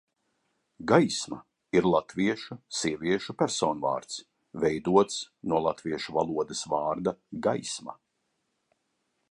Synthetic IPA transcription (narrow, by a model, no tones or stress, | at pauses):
ɡajsma | iɾlˠat̪viɛʃusiɛvʲiɛʃupʲæɾsɔːnva̰ːɾt̪s | vɛjd̪uɔt̪s | nuɔlˠat̪viɛʃuvalˠuɔd̪esvaːɾd̪aɡajsma̰